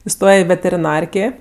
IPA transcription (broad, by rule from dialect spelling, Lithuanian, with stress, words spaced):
ɪˈstoːjɛ ɪ ʋʲɛtʲɛrʲɪˈnɐrʲkʲeː